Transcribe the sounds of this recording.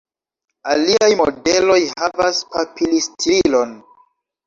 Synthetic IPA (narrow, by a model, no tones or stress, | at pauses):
aliajmo̰de̞lo̞jhavaspapilistiilo̞n